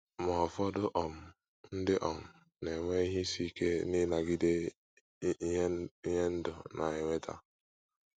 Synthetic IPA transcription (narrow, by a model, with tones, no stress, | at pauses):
mɔ˨ɔ˨fɔ˦dʊ˦ʔɔ˨m̩˨ | n̩˦dɪ˦ʔɔ˨m̩˨ | ne˨ŋʷe˦i˦ɦi˦si˦ke˦ni˦na˨ɡi˦de˦ | i˦ɲe˦n̩˦dʊ̰˨nʔa˨e˨ŋʷe˦ta̰˦